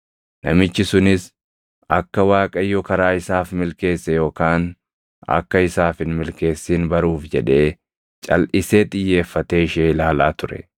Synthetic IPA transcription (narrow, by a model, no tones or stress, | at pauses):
nɐmɪt͡ʃːɪsʊnɪs | ɐkːɐwaːkʼɐjːɔkɐɾaːɪsaːfmɪlke̞ːsːɛjo̞ːkaːn | ɐ̰kːɐɪsaːfɪnmɪlke̞ːsːiːnbɐɾuːfd͡ʒɛᶑe̞ː | t͡ʃʼɐ̰lʔɪse̞ːt̪ʼɪjːe̞ːfːɐt̪eːɪʃeːlaːlaːt̪ʊɾɛ̰